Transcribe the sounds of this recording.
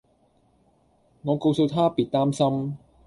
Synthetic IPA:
ŋɔː˨˧ko˧wso˧wt̪ʰaː˥piː˨˩t̚t̪aː˥msɐ˥m

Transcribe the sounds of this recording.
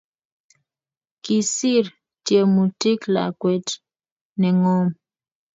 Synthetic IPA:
ki˨si˦˨ɾ | tje˨mu˨ti˦kla̰˨kwe˨t | nɛ˨ŋo˦m

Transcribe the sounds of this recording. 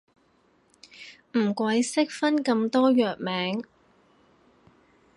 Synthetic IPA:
m̩˨˩kʷwɐ˨˥jsɪ˥k̚fɐ˥nkɐ˧mt̪ɔː˥jœː˨k̚mɛː˨˥ŋ

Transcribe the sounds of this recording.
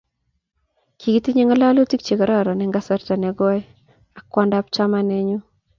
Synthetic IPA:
kʰi˨ɡi˦ti˦ɲe˦ŋa˦la˦lo˦ti˦k̚t͡ʃe˨ɡa˨ɾa˦˨ɾɔ˨nɛ˦ŋɡa˦sa˦ɾta˨nɛ˨ɡɔ˦ɛ˦ | a˨kwa˦nda˦pt͡ʃa˦ma˦nɛ˦ɲu˦

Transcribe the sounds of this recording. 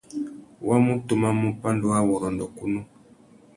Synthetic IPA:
wa˦mu˦tu˨ma˦mu˦pa˦ndu˦a˦wɔ˨ɾɔ˨ndɔ˨ku˦nu˦

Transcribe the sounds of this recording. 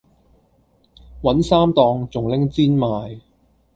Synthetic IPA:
wɐ˨˥nsaː˥mt̪ɔː˧ŋt͡sʊ˨˩ŋlɪ˥ŋt͡siː˥nmaː˨j

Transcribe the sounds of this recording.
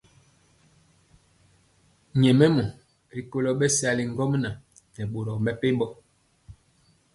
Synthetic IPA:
ɲɛ˨mɛ˦mɔ˨ | ɾi˨ko˦lɔ˦ɓɛ˦sa˦li˨ŋ̩˦ɡɔ˦m˦na˨ | nɛ˨ɓo˨ɾɔ˨mɛ˦pe˦ɓɔ˦

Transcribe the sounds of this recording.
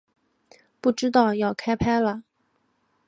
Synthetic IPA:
pu˥˩ʈ͡ʂɻ̩˥t̪ɑ˥˧ʊjɑ˥˩ʊkʰa˥ɪpʰa˥ɪlə˨

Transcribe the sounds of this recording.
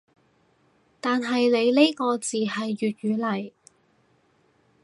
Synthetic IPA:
t̪aː˨nɦɐ˨jle˨˧jle˥jkɔː˧t͡siː˨ɦɐ˨jːyː˨t̚ɥyː˨˧lɐ˨˩j

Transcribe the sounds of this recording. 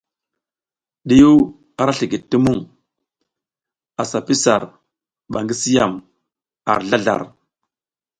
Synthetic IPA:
ɗi˦ju˦ | a˨ɾa˦ɬi˨ɡi˨tːi˦mu˦˨ŋ | a˨sa˨pi˦sa˨ɾ | ɓa˨ŋɡi˦si˦ja˨m | a̰˨ɾɮa˦ɮa̰˨ɾ

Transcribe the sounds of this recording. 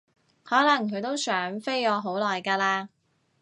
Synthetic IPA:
hɔː˨˥lɐ˨˩ŋkʰɵ˨˧ɥt̪o˥wsœː˨˥ŋfe˥jɔː˨˧ɦo˨˥wlɔː˨˩jkaː˧laː˧

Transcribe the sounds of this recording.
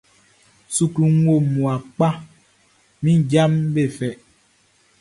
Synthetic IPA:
su˨ku˨ŋ˦wo˦˨mu˨a˨k͡pa˦ | mĩ˦d͡ʒa˦mbe˦˨fɛ˨ʔ

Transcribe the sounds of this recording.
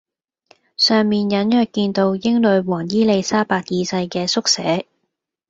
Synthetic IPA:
sœː˨ŋmiː˨njɐ˨˥njœː˨k̚kiː˧nt̪o˧wjɪ˥ŋlɵ˨˧ɥwɔː˨˩ŋjiː˥le˨˧jsaː˥paː˧k̚jiː˨˧sɐ˧jkɛː˧sʊ˥k̚sɛː˨˥

